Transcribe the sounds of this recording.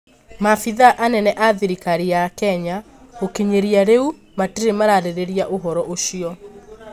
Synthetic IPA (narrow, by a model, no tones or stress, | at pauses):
mafiðaʔanɛnɛʔaðiɾikaɾijakɛɲa | okeɲeɾiaɾeu | matiɾemaɾaɾeɾeɾiaʔoɦɔɾɔʔoʃiɔ